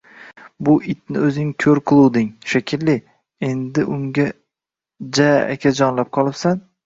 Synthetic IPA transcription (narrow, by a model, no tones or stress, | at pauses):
bʊʔɪt̪̚nɪɵzɪɪŋkʲʰɵɾqʰɨlˠuwd̪ɪŋʃakʲʰɪlːɪ | e̞nd̪ɪʔʊŋʲa | d͡ʒaa̰kʲʰad͡ʒɒnlap̚qʰɒlˠɪpsan